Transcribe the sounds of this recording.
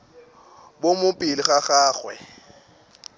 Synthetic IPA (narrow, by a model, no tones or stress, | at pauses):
bomʊpʼɪlɪχaχaːχwɛ